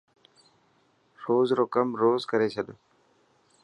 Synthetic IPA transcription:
ɾoːzɾoːkəmɾoːzkəɾeːt͡ʃʰəɗo

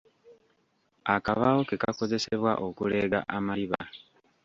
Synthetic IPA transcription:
akaβawo̞ke̞kako̞ze̞seβwa̰ʔo̞kule̞ːɡa̰ʔamaliβa̰

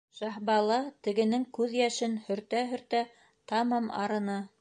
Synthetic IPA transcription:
ʃɑhbɑlˠɑt̪ɘ̆ɡɘ̆nɘŋkʉðjæʃɘnhɵ̆ɾt̪æɦɵ̆ɾt̪æ | t̪ɑmɑmɑ̰ɾɤ̆nɤ

